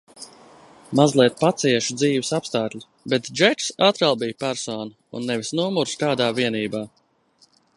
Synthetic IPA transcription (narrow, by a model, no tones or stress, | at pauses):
mazlˠiɛt̪̚pat̪sʲiɛʃud̪ziːvisapst̪aːt̪lʲi | bɛt̪d͡ʒɛt͡ʃsat̪ɾalˠbijpæɾsɔːnɐṵnːɛvisnuɔmuɾst̪aːd̪aːviɛniːbaː